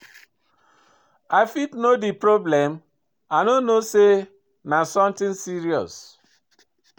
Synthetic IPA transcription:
aɪfitnodipɾoblɛm | anonose | nasɔ̃mtɪ̃nsiɾiɔ̰s

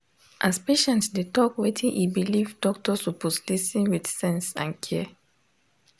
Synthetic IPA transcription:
ʔaspeʃɛ̃ntsdetɔkwetʰĩnʔibilivdɔk̚tɔsupɔslisĩnwidsɛ̃nsã̰nkʰɛɛ

